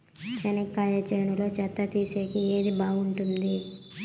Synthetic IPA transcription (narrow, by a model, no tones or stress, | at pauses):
t͡ʃɐnikːaːjɐt͡ʃɐjɳulo̞ːt͡ʃɐt̪ːɐt̪iːseːkieːd̪ibaːɡuɳʈund̪i